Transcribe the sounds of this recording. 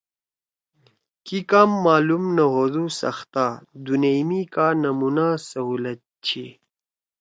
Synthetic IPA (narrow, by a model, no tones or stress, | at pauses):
kikaːmːaːlumnɐɦodusɐ̰xt̪aːd̪unemikaːnɐmunaːsɐɦuːlɐt̪̚t͡ɕʰi